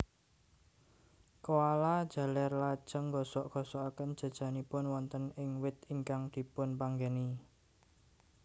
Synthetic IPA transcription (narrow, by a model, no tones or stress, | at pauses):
kowalad̥ʒ̥a̤lɛrlad̥ʒ̥ə̤ŋːɡɔsɔʔɡ̥ɔsɔʔakənd̥ʒ̥a̤d̥ʒ̥a̤nipʊnwɔnt̪ənɪŋwɪt̪̚iŋkaŋd̪̥i̤pʊnpaŋɡeni